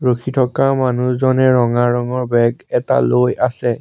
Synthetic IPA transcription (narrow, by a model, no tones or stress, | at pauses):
ɹokʰitʰɔkamanuszɔnɛɹɔŋaɹɔŋɔɹbɛɡɛta̰lojasɛ